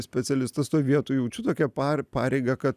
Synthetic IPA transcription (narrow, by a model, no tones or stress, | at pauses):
sʲpʲɛsʲɛlʲɪst̪ɐst̪oːjʋʲiɛt̪uːjɛʊt͡ʃʲɪt̪oːkʲɛpɑːpɑːɾʲɛɪɡɐkɐt̪